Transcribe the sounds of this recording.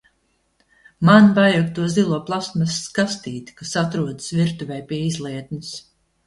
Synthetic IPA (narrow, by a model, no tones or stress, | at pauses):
manvajak̚t̪uɔzilˠuɔplˠasmasskast̪iːt̪ʲi̥kasat̪ɾuɔd̪ɨsviɾt̪uvɛjpʲiɛizlˠiɛt̪nɨs